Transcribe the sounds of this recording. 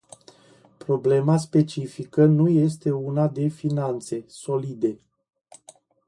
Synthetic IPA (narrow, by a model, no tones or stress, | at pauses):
pɾo̞ble̞mas̬pe̞t͡ʃifikənuje̞s̬t̪e̞unad̪e̞finant̪se̞so̞lid̪e̞